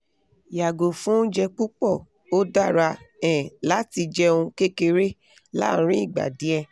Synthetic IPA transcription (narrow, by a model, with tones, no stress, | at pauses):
ja˨ɡo˨fũ˨˦d͡ʒɛ˧k͡pu˦k͡pɔ˦˨ | o˦da˦˨ɾa˧ɛ̃˨la˨˦ti˧d͡ʒɛ˦˧ũ˧ke˦ke˧ɾe˦ | lã̰˦˨˦ɾ̃ĩ˦i˦˨ɡ͡ba̰˨di˨˦ɛ˧